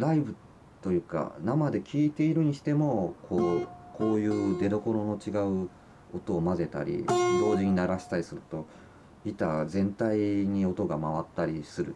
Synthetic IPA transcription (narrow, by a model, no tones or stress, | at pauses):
ɾaibɯ̟ | t̪o̞jɯ̟ːka̰namad̪e̞kʲʰiːt̪e̞iɾɯ̟ɲ̟iɕi̥t̪e̞mo̞kʰo̞ːko̞ːjɯ̟ːd̪e̞d̪o̞ko̞ɾo̞no̞t͡ɕiɡaɯ̟ | o̞t̪o̞ːmaze̞t̪a̰ɾʲḭd̪o̞ːʑiɲ̟inaɾaɕi̥t̪aɾʲisɨɾɯ̟̥t̪o̞ | it̪azẽ̞nt̪aiɲ̟io̞t̪o̞ɡamaβ̞at̪ːaɾʲisɨɾɯ̟̰